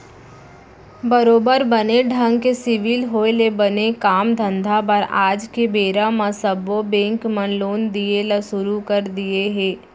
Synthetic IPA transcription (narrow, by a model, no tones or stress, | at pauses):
bɐɾoːbəɾbəneɖʱə̃ŋɡkesɪʋɪlɦoːjlebɐnekaːmd̪ʱə̃nd̪ʱabəɾaːd͡ʒkebeːɾamãsəbobẽːŋkmənloːnd̪ielasʊɾukəɾd̪ieɦẽː